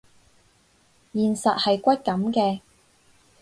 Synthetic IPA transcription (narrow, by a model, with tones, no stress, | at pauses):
jiː˨˩nsɐ˨t̚hɐ˨jkʷɐ˥t̚kɐ˨˥mkɛː˧